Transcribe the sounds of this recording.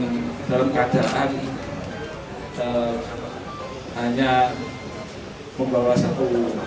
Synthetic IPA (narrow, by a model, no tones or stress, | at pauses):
dalankad̥aʔan | ə | haɲa | məmbawasat̪u